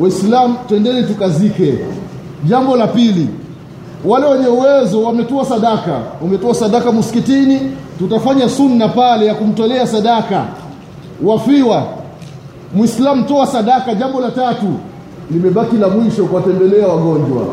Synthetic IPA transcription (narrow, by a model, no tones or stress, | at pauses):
waislam̩twɛndɛlɛtukazikɛ | ʄambɔlapili | walɛwɛɲɛuwɛzɔwamɛtɔasaɗakaumɛtɔasaɗakamusi̥kitinitutafaɲasunːapalɛjakum̩tɔlɛasaɗaka̰ | wafiwa | mwislam̩tɔasaɗakaʄambɔlatatu | limɛɓakilamwiʃɔkwatɛmbɛlɛawaɠɔɲd͡ʒwa̰